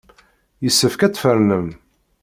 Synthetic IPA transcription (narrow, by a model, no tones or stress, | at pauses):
jəsːəfkæt͡sːfəɾnəm